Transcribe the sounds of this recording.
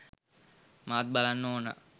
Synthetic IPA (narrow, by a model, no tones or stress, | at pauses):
maʋt̪̚balanːoːnə̰